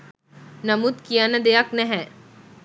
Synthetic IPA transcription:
nɐmut̪kijanɐd̪eaknɛɦɛ̃

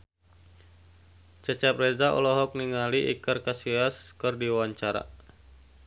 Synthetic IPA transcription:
t͡ʃət͡ʃap̚rezaʔɔ̰lɔɦɔk̚niŋaliʔḭkərkasiaskərdiawaɲt͡ʃaɾa̰

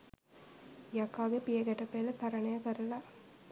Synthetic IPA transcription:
jɐkːaːɣɐpɪjɐkɐʈːɐpːeːlɐt̪ɐɾɐɳɐjakɐɾɐlaː

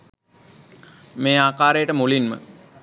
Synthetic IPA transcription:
meːaːkaːɾəjəʈəmulinmə̰

